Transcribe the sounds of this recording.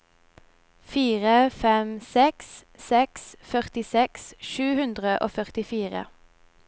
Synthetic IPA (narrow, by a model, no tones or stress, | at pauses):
fiːʁəfɛmsɛkssɛksfœʁt̪ɪsɛksʃʉːhʉnd̪ʁəʔo̰ːfœʁt̪ɪfiːʁə̰